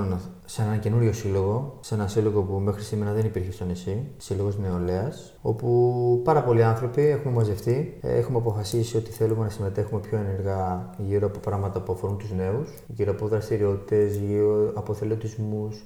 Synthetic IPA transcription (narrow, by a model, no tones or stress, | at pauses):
n | senenɐce̞nuɾʝo̞silo̞ɣo̞se̞nɐsilo̞ɣo̞pume̞xɾisime̞ɾɐðenipiɾçe̞st̪onisi̥silo̞ɣo̞zneo̞leɐs | o̞̰pupɐɾɐpo̞liɐnθɾo̞piexumemɐzefθiḛxumɐpo̞fɐsisio̞t̪iθe̞lume̞nɐsime̞t̪e̞xume̞pço̞e̞ne̞ɾɣɐʝiɾoɐpo̞pɾɐɣmɐt̪ɐpuɐfo̞ɾunt̪uzne̞usʝiɾoɐpo̞ðɾɐst̪iɾio̞t̪i̥t̪e̞zioɐpo̞θeleot̪izmus